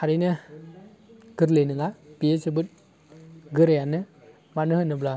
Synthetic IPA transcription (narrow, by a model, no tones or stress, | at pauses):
haɾinɯ | ɡɯɾlejnɯŋapiesɯbɯt̚ | ɡɯɾejanɯ | manɯɦɯnɯbla